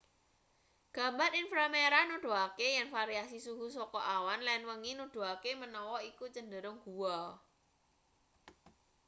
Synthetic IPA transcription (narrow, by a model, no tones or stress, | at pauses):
ɡ̥ä̤mbaɾinfɾameɾanuɖ̪̥o̤akejɛnfaɾiasisuɦusɔkɔʔawanlɛnwəŋinuɖ̥o̤akemənɔwɔikut͡ʃəndəɾʊŋɡ̥uwɔ